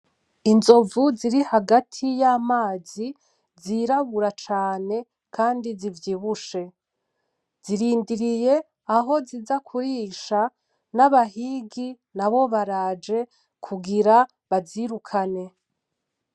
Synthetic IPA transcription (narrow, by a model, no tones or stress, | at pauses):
inzo̞vuziɾihaɡatʰijamaːzi | ziɾaβuɾat͡ʃaːne̞ | kʰaːndizivjiːβuʃe̞ | z̥iɾiːndiɾije̞ | aɦo̞zizakʰuɾiːʃa | naβahiɡi | naβo̞βaɾad͡ʒe̞ | kʰuɡiɾa | βaziɾukʰane̞